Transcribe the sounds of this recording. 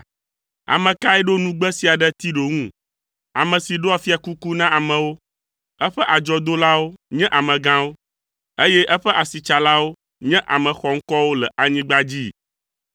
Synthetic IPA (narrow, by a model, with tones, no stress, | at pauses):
a̰˨mɛ̃˨ka˦ɛ˦ɖo˦nũ˦ɡ͡bɛ˦si˨a˨ɖɛ˦t̪i˦ɖo˨ŋũ˦˨ | a˨mɛ̃˨si˨ɖo˦a˨fi˦a˨ku˦ku˦nã˦a˨mɛ̃˨wo˦ | ɛ˦ɸɛ˦ʔa˨d͡ʒɔ˦d̪o˦la˦wo˦ɲɛ̃˦ʔa˨mɛ̃˨ɡã˦wo˦ | e˦jɛ˦ʔɛ˦ɸɛ˦ʔa˨si˨t͡ʃa˨la˦wo˦ | ɲɛ̃˦ʔa˨mɛ̃˨xɔ˨ŋ̩˦kɔ˦wo˦lɛ˨ʔa˨ɲĩ˦ɡ͡ba˦d͡ʑi˦˨